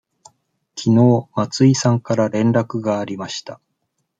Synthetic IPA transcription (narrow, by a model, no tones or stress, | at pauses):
kʲʰino̞ːmat͡sɨisãŋkaɾaɾẽ̞nɾakɯ̟ɡaːɾʲimaɕi̥t̪a